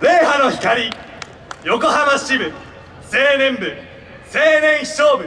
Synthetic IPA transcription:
ɾe̞ːɦano̞çi̥kaɾʲi | jo̞ko̞ɦabaɕibɯ̟ | se̞ːnẽ̞mbɯ | se̞ːnẽ̞ɰ̃çi̥ɕo̞ːbɯ̟

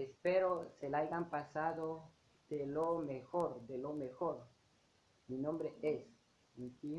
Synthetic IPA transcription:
espeɾoselajɡampasaðo | d̪̥elomexoɾd̪elomexoɾ | minõmbɾees | iŋt̪i

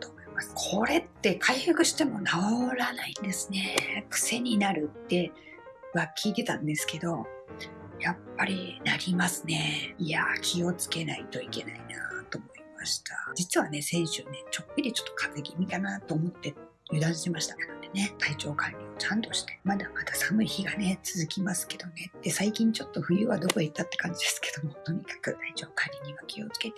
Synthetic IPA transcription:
t̪omoimasɨ̥kʰo̞ɾe̞t̪ːe̞kʰaihɯkɯ̟ɕi̥t̪e̞mo̞naooɾanaĩnd̪e̞sɨne̞kɯ̟̥se̞ɲ̟inaɾɯ̟t̪ːe̞ | βakʲʰiːt̪e̞t̪ãnd̪e̞sɨ̥ke̞d̪o̞ | japːaɾʲinaɾʲimasɨne̞iakʲʰio̞t͡sɨ̥ke̞nait̪o̞ike̞na̰inat̪o̞ːmo̞imaɕi̥t̪ʰad͡ʑit͡sɨβane̞sẽ̞ɰ̃ɕɨne̞t͡ɕo̞kːɯd̪ʲit͡ɕo̞̥t̪ːo̞̥kʰat̪eɡʲimʲikanat̪oːmo̞t̪ːe̞ | jɯ̟d̪ãɕit̪emaɕi̥t̪ak̪enod̪ene̞t̪ʰait͡ɕo̞ːkaɾʲio̞t͡ɕãnt̪o̞ɕi̥t̪e̞̥mad̪amad̪asamɯ̟çiɡane̞t͡sɨzɨkʲimasɨ̥ke̞d̪o̞ne̞d̪̥e̞saikʲĩɲ̟t͡ɕo̞t̪ːo̞ɸɯ̟jɯ̟ːβad̪o̞ko̞it̪ːat̪ːe̞kãɲ̟d͡ʑid̪e̞sɨ̥ke̞d̪o̞mo̞t̪o̞ɲ̟ikḁkɯ̟t̪ait͡ɕo̞ːkaɾʲiɲ̟iɡakʲʰio̞t͡sɨ̥ke̞t̪e

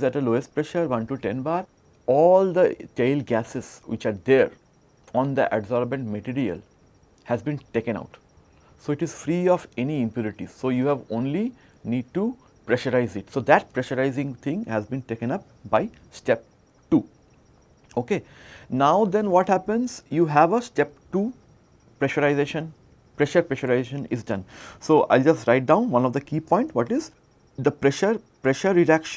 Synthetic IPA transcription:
zæʈəloːesʈ̚pɾɛʃəɾʋʌ̃nʈuʈɛ̃nbaːɾ | ɔːld̪əʈeɪlɡæsɪzʋɪt͡ʃaːɾd̪eɾ | ɔ̃ːnd̪ə̰ʔæbzɔːɾbə̃ɳʈməʈiːɾiə̰l | hæzbĩnʈeːkə̃ña̰ʊʈ | soːɪʈɪzfɾiːɔːfɛniɪ̃mpjuːɾɪʈḭz̥soːjuːɦæʋõːnli | niːɖ̚ʈu | pɾɛʃəɾaɪzɪʈsoːd̪æʈ̚pɾɛʃəɾaɪzɪ̃ŋt̪ʰɪ̃ŋhæzbĩnʈeːkə̃nʌp | baɪ | sʈɛp̚ | ʈuː | oːkeːnaʊd̪ɛ̃nʋɔːʈhæpə̃nzjuːɦæʋəsʈɛp̚ʈu | pɾɛʃəɾaɪzeːʃə̃n | pɾɛʃəɾpɾɛʃəɾaɪzeʃə̃nɪ̰zɖʌ̃nsoːʔa̰ɪld͡ʒʌsʈɾaɪʈ̚ɖãʊ̃nʋʌ̃nɔʋd̪əkiːpɔ̃ɪ̃ɳʈʋɔʈɪz | d̪əpɾɛʃəɾ | pɾɛʃəɾːɪɖækʃ

